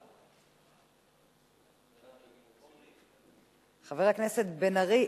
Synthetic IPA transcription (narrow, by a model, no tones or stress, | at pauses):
χaveʁhakne̞set̪benaʁi